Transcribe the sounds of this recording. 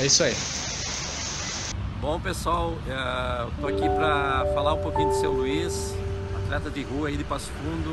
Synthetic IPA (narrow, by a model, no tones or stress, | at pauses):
ɛisai | bõpesaw | ɛt̪oakipɾɐfalaɾũpokĩɲʊd̪ʊsewluis | ɐt̪ɾɛt̪ɐd̪ɪɦuɐaid̪ɪpasfũnd̪ʊ